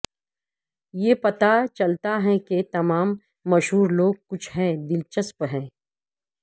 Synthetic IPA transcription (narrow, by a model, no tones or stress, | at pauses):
jeːpɐt̪at͡ʃɐlt̪aɦɛ̃ket̪ɐmaːmː | ɐʃɦuːɾloːɡ̚kʊt͡ʃʰɦɛ̃ːd̪ɪlt͡ʃəspɦɛ̃ː